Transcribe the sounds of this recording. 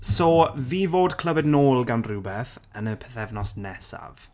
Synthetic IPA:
soːviːvoːdkʰl̥ˠəvɛdnoːlˠɡanruːbɛθənəpʰɛðɛvnɔsnɛsa̰v̥

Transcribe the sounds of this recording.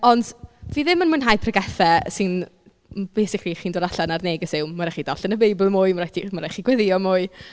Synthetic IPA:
ɔnd̥viːðɪmənmʊnɦajpʰrəɡɛθɛsɪn | b̥ejsɪkʰliχiːndoːɾaɬanarneːɡəsɪwmːaɾaχidɔɬənəbejblˠmʊːɨmaɾatʰimaɾajχiɡwɛðɪɔmʊːɨ

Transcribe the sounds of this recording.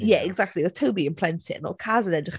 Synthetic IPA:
jɛɛɡzak̚tˡliðətʰəwbiɪ̃npʰl̥ɛntʰɪ̰nɔ̰lkʰazənɛdəχ

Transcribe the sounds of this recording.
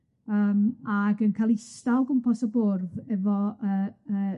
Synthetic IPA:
əːmaɡənkʰalˠistalˠɡʊmpʰɔsɔbʊrðɛvɔəə

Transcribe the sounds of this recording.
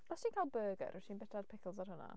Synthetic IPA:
ɔstʰiːnkʰaːlˠbɜːɡə̰ɾʔətʰiːnbɛtʰad̥pʰɪkʰəlˠzarɦʊna̰

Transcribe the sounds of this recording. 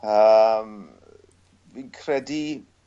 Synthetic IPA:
əm | viːnkʰrɛdi

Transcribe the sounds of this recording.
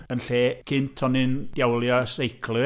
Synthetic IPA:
ənɬeːkʰɪntʰɔnɨnd̥jawlˠjɔsrejkʰlˠɨ

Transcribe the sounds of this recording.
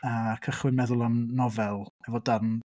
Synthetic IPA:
əːkʰəχwɪnmɛðʊlˠamnɔvɛlˠɛvɔdarn

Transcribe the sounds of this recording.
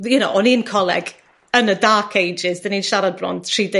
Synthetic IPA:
jənowʔɔniːnkʰɔlˠɛ̰ɡ | ənədaːkʰejd͡ʒɪzdaniːnʃaɾad̚brɔ̰nd̥ʰr̥iːde

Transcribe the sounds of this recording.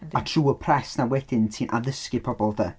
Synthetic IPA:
atʰr̥uːəpʰrɛsnawɛd̥ɪntʰiːnʔaðəskɪpʰɔbɔlˠðə

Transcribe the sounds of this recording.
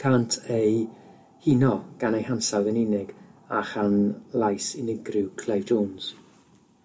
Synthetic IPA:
kʰantʰej | hɪnɔɡ̥anejhansawðənɪnɪɡ̥aχanlˠajsɪnɪɡrɪwkʰl̥ejvd͡ʒownz̥

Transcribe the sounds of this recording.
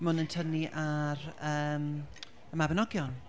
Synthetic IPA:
mʊnəntʰəniʔaɾəːm | əmabənɔɡjɔn

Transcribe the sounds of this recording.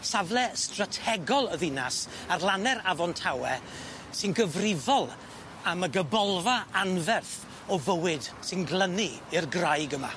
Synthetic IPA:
savlˠɛstratʰɛɡɔlˠəðɪnas | arlˠanɛɾavɔntʰawɛ | sɨnɡəvrɪvɔlˠ | aməɡəbɔlˠvaanvɛrθ | ɔvəwɪd̥sɨnɡlˠəniirɡrajɡəma̰

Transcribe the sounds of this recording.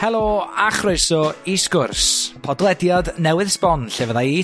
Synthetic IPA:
hɛlˠoːaχroɨsɔiskʊrspʰɔdlˠɛdjadnɛwɨðspɔnɬevəðai

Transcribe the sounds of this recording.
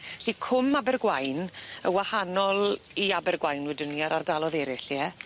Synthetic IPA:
ɬikʰʊmabɛrɡwajnəwahanɔlˠiabɛrɡwajnwɛdɪniaɾardalˠɔðɛɾɪɬjɛ

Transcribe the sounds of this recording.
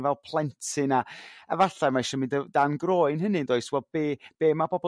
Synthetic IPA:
vɛlˠpʰlˠɛntʰɨnaə̰vaɬamaɪʃɔmɪndədanɡroːɨnɦənɨndoːɨswɛb̥eːb̥eːmabɔbɔ

